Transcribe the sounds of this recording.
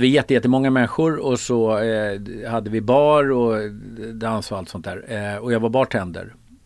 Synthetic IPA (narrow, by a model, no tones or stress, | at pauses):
əvɪjɛt̪ːəjɛt̪ːəmɔŋːamɛnɧʊɾɔsɔ | had̪ːəvɪbɑːɾɔ | d̪ɛansɔalt̪sɔnt̪æːɾɔjɑːɡvaɾbɑːʈʰɛnd̪ə̰ɾ